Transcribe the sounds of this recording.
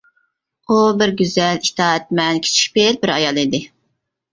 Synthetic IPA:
ubɪɾɡʲyzɛlit̪ʰɑːɛt̪̚mɛnkʲʰe̥t͡ʃʰi̥ʃʲpelbɪɾɑjɑlˠid̪ɪ

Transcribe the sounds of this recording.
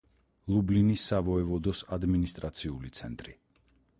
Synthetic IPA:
lˠublinisːavɔɛvɔd̪ɔsad̪minist̪ʼɾat̪sʰiulit̪sʰɛ̰nt̪ʼɾi

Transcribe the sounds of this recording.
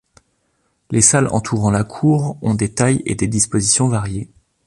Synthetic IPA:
lesalɑ̰̃t̪ʰuʁɑ̃lakʰuʁɔ̃d̪et̪ajḛd̪ed̪ispozisjɔ̃vaʁje

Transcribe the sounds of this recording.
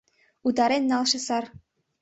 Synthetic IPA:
ud̪ɑɾenʲːɑlˠʃɤ̆sɑr

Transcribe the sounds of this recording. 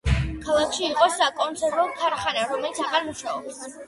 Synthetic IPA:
kʰalˠakʰʃiːqʼɔsakʼɔnt̪sʰɛɾɔkʰaɾχanaɾɔmɛlit̪sʰaʁaɾmuʃaɔbs

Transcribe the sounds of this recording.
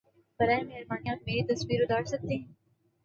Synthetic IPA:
bɐɾaːemeɦɾbaːnijaːt̪̚meːɾit̪ɐsʋiːɾʊd̪aːʈsɐk̚t̪eɦɛ̃ː

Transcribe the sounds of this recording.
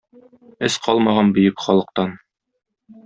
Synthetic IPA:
ɘsqɒlˠmɑʁɑnbɵ̆jɘkχɒlˠɤ̆q̚t̪ɑn

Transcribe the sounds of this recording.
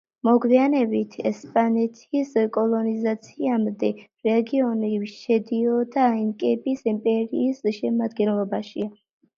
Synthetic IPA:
mɔɡwianɛbit̪ʰɛspʼanɛt̪ʰiskʼɔlˠɔnizat̪sʰiamd̪ɛɾɛɡiɔniʃɛd̪iɔd̪aiŋkʼɛbisimpʼɛɾiːsʃɛmad̪ɡɛnlˠɔbaʃia

